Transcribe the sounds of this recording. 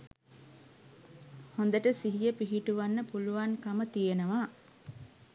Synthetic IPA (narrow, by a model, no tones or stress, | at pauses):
hond̪əʈəsiɦijəpiɦiʈuʋanːəpuluʋaŋkamət̪ijenəʋaː